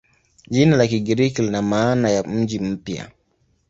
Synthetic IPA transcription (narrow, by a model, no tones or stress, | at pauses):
ʄinalakiɡiɾikilinamaːnajam̩d͡ʒim̩pja̰